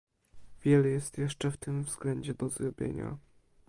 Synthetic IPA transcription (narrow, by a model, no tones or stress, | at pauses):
vʲjɛlɛjɛst̪jɛʂt͡ʂɛft̪ɘmvz̥ɡlɛɲd͡ʑɛd̪ɔzɾɔbʲjḛɲa̰